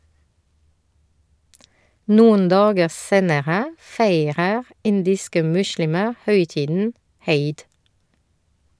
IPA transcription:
ˈnuːən ˈdɑːɡə ˈseːnəʁə ˈfeɪʁəʁ ˈɪndɪskə ˈmʉʃɭɪmə ˈhœʏˌtiːdn̩ ˈheɪd

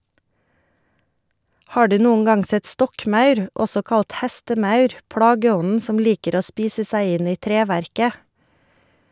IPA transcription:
ˈhɑː ˈɖʉː ˈnuːən ˈɡɑŋ ˈsɛt ˈstɔkˌmɑʉɾ ˈɔsɔ ˈkɑlt ˈhɛstəˌmɑʉɾ ˈplɑːɡəˌɔnn̩ ˈsɔm ˈliːkəɾ ˈoː ˈspiːsə ˈsæɪ ˈɪn ˈiː ˈtɾeːʋæɾkə

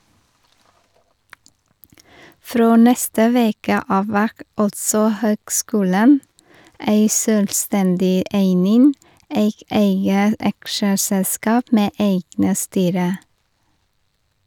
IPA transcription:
ˈfɾoː ˈnɛstə ˈʋeːkə ˈɑːʋ ˈʋæʁk ˈɑltsɔ ˈhøːɡˌskʉːlən ˈæɪ ˈsøːlˌstɛndɪ ˈʔeɪnɪn ˈeɪk ˈeɪɡə ˈɑkʃəsɛlˌskɑːp ˈmeː ˈeɪɡnə ˈstyːɾə

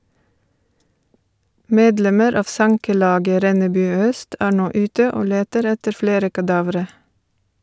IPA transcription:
ˈmeːdˌlɛməɾ ˈɑːʋ ˈsɑŋkəˌlɑːɡə ˈɾɛnəˌbʉː ˈœst ˈæː ˈɳoː ˈʉːtə ˈoː ˈleːtəɾ ˈɛtəɾ ˈfleːɾə kɑˈdɑːʋɾə

